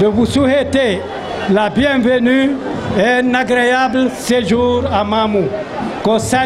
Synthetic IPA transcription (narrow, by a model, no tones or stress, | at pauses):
dəvusuɦet̪e | labjɛ̃vəny | ɛnaɡɾeablseʒuɾamamu | kɔ̃sa